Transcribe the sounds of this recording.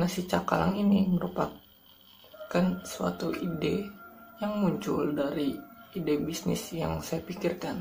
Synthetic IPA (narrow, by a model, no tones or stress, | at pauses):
nasit͡ʃakala̰ŋiniməɾupa | kansua̰t̪uʔidejaŋmuɲt͡ʃʊldaɾiːdebisnɪ̰sja̰ŋsajapikirkan